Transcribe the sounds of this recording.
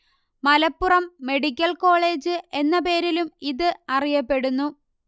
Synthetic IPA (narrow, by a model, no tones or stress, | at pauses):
mɐlɐpːurɐmːe̞ɽik̬ʲːɐlko̞ːɭe̞ːd͡ʑɨe̞nːɐpe̞ːɾilumiðɨɐrijɐpːe̞ɽunːu